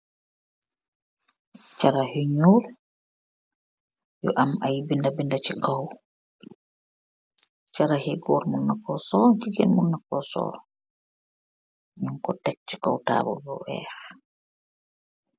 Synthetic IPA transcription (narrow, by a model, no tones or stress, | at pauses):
t͡ʃaɾahiɲul | jɔ̰ʔamajbindabindat͡ʃikaw | t͡ʃaɾahɛɡɔɾmunːakɔsɔɾkiɡɛnmunːakɔsɔ̰ːɾɔ | ɲuŋkɔtɛk̚t͡ʃi̥kawta̰ːbɔ̰bɔʔɛ̰